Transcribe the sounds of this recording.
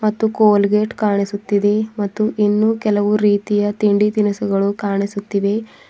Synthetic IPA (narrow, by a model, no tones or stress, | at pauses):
mɐt̪ːukoːlɡeːʈkaːɳisut̪ːid̪e̞mɐt̪ːuʔinːukɛlɐʋuɾiːt̪ijɐt̪iɳɖid̪inusɐɡɐɭukaːɳisut̪ːiʋe̞